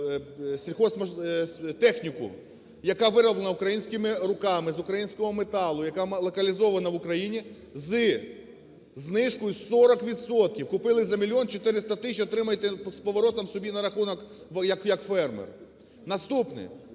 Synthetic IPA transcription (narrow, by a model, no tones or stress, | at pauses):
sʲɾʲixɔsmɐt̪ɛxnʲikʊ̰ | jɐkɑʋɪɾɐblˠenɐʊkɾɐjinʲsʲkɪmɪɾʊkɑmɪzʊkɾɐjinʲsʲkɔɦɔmet̪ɑlˠʊjɐkɑmlˠɔkɐlʲizɔʋɐnɐʋʊkɾɐjinʲi | zɨ | znɪʃkɔjʊsɔɾɐkʋʲid̪sɔt̪̚kʲiwkʊpɪlˠɪzɐmʲilʲjiɔnt͡ʃɔt̪ɪɾɪst̪ɐt̪ɪʃʲt͡ʃʲiɔt̪ɾɪmɐjet̪ɛspɔʋɔɾɔt̪ɔmsɔbʲinɐɾɐxunɔk | jɐkjɐkfɛrmḛr | nɐst̪upnɪ̰